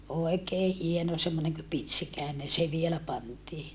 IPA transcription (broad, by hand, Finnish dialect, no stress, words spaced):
oekeː hieno semːoneŋ kø pitsikæˑenen se ʋielæ pɑntiː